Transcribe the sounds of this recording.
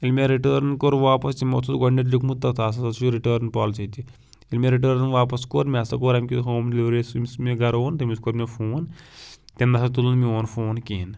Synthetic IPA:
ilmʲeɾiʈəːɾnkoːɾʋaːpɐst̪imɐ̰t͡s̪ʰut̪ɡɐɳɖeʈ̬likmut̪ːɐt̪ʰaːs̬ɐsɐt͡ʃuɾiʈəːɾnpaːlt͡ʃejt̪i | ilmʲeɾiʈ̬əːɾnʋaːpɐskoːɾmʲasɐkoːɾɐmkʲit̪ɦoːmd̪liʋɾeːsimismiɡɐɾoːnt̪ɐmiskoːɾmʲefʰoːnt̪end̪ɐsɐt̪ulunmioːnfoːnkiːn

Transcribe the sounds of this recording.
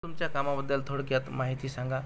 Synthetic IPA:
umt͡ɕjakamabəd̪ːəlt̪ʰoɽkjat̪maɦit̪isaŋɡʱa

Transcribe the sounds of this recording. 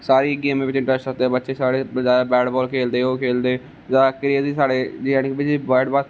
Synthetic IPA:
saːɾiːɡeːmeːʋɪt͡ʃɪ̃ɳʈɾəsət̪eːbətːʃeːsaːɽeːd͡ʒaːaːbɛːɖbɔːlkʰeːld̪eːoːkʰeːld̪eː | zaːkɾiːəziːsaːɽeːd͡ʒiankːbɪd͡ʒiːbaːɖbaːt̪

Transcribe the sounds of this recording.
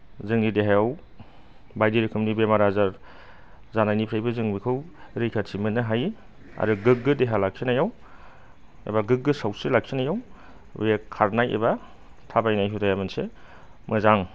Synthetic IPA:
zɯŋdideɦajaw | bajdiɾɯkʰɯmnibemaɾazaɾ | zanajnipʰɾajbɯzɯŋbikʰɯwɾɯjkʰatsʰimɯnɯɦaj | a̰ɾuɡɯk̚ɡɯdeɦalak̚ʰinajaw | ḛbaɡɯk̚ɡɯsawsɯlak̚ʰinajaw | wekʰaɾnajʔḛba | tʰabajnajɦutʰajamɯnse | mɯzaŋ

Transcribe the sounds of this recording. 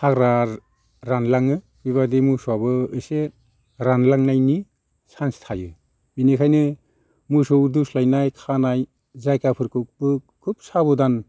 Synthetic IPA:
hakɾaɾ | ɾanlaŋɯ | biβadimuswabɯɯse | ɾanlaŋnajni | sanstʰajɯ | binikʰajnɯ | musowduslajnajkʰanaj | zajkapʰɯɾkʰɯk̚bɯ | kʰup̚sabɯdan

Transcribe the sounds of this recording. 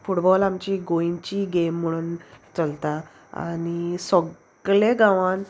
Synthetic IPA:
fuʈbɔlamt͡ɕiɡoint͡ɕiɡemːəɽ̃uːnt͡səlt̪a | a̰nisɔɡ | ɭẽɡãʋãn

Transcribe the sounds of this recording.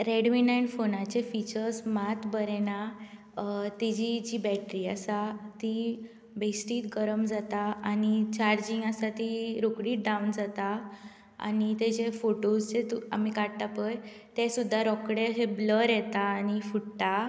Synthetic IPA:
ɾeɽʋinajɳɖfonat͡ɕefit͡ɕəɾsmat̪bəɾɛna | t̪id͡ʑid͡ʑiːbɛʈɾiːasat̪i | besʈiːt̪ɡəɾəmd͡zat̪aanit͡ɕaɾd͡ʑiŋɡasat̪iɾokɽiːt̪̚ɖaund͡zat̪a | a̰nit̪ɛd͡ʑefoʈosd͡zet̪ua̰mikaɽʈ̪apəj | t̪ẽsud̪ʱːaɾɔkɽeɦebləɾjɛt̪aːñifuʈʈ̪a

